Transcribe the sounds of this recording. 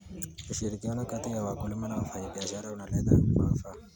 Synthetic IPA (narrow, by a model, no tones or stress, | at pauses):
uʃiɾikionakat̪ijawakulimanawafaibiaʃaɾaunalad̪a̰ka̰fa